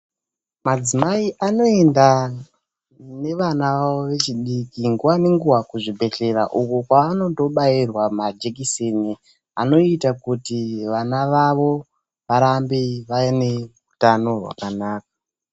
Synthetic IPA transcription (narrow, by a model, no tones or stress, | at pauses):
mad͡zimaiʔano̞e̞nda | ne̞ʋanaʋaoʋe̞t͡ʃiɗikiŋɡuwane̞ŋɡuwakuʐibʱe̞ɬe̞ɾaʔukukwaano̞to̞ɓairwamad͡ʒekisini | a̰no̞itakutiʋanaʋaʋo̞ | ʋaɾambiʋajene̞ | utano̞rwa̰kanaːk̚ḁ